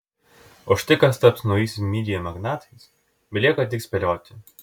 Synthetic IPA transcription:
ɔʃt̪ʲɪkɐst̪ɐpsʲnɔʊjiːsʲɪmʲiːd̪ʲɪjɛmɐɡnɑːt̪ɐs | bʲɛlʲeːkɐt̪ʲɪksʲpʲɛlʲoːt̪ʲɪ

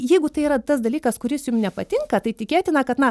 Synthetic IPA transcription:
jɛɪɡʊt̪ɐɪiːɾɐt̪ɐsd̪ɐlʲiːkɐskʊɾʲɪsjʊmnʲɛpɐt̪ʲɪŋkɐt̪ɐɪt̪ʲɪkʲeːt̪ʲɪnɐkɐt̪nɐ

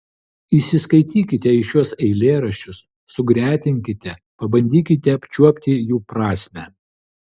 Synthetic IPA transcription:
iːsʲɪskɐɪt̪ʲiːkʲɪt̪ʲɛɪʃʲjuɔsɛɪlʲeːɾɐʃʲt͡ʃʲʊsː | ʊɡɾʲæːt̪ʲɪŋʲkʲɪt̪ʲɛ | pɐbɐnʲd̪ʲiːkʲɪt̪ʲɛɐpʲt͡ʃʲuɔpʲt̪ʲɪjuːpɾɑːsʲmʲæ

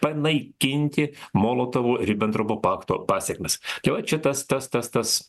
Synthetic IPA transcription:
pɐnɐɪkʲɪnʲt̪ʲɪmoːlˠoːt̪ɐʋuːɾʲɪbʲɛnt̪ɾoboːpɑːkt̪oːpɑːsʲɛkmʲɛst̪ɐɪʋɐt͡ʃʲɛt̪ɐst̪ɐst̪ɐst̪ɐs

